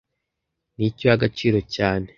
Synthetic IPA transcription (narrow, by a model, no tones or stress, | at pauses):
nicojaɡat͡ʃiːɾo̞caːne̞